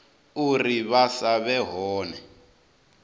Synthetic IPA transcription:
uriβasaβɛɦɔːnɛ

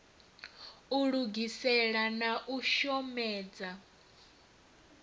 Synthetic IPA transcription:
uɺuɡisɛɺanaʔuʃɔmɛːd͡za

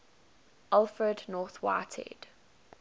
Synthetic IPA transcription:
ʔalˠfɹədnɔˑθwa̰ːtʰɛ̰d̥

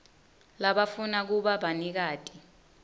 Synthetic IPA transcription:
laɓafunak̬uɓaɓanik̬aːtʼi̥

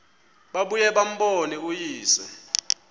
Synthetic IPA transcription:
ɓaɓujɛɓam̩ɓonik̬ujiːsɛ̰

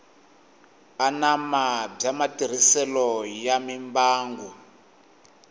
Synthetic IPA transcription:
anamab͡ʐamatir̤isɛlɔjamimbaːŋɡu

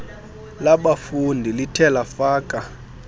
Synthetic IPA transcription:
laɓafundʱilitʰɛlafaːkʼa

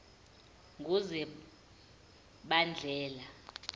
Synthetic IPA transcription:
ŋɡʱuzɛ | ɓand͡ɮʱɛːla

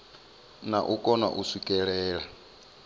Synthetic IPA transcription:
naʔukʼɔna̰ʔusikʼɛɺɛːɺa

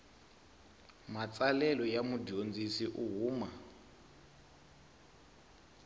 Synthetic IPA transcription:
mat͡sʼalɛlɔjamudond͡zisiʔuɦuːma

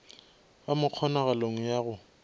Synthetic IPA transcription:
bamʊq͡χʰɔnaɣaloŋ̩jaːɣʊ

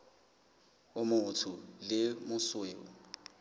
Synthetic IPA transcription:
ʊmʊʊtʰʊlɪmʊsweːɔ

